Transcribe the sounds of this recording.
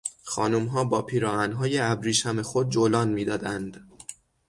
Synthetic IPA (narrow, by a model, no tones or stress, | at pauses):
xɒːnumɦɒːbɒːpʰiːɾɒːænɦɒːjeæbɾiːʃæme̞xod̪̚d͡ʒolɒːnmiːd̪ɒːd̪ænd̪̥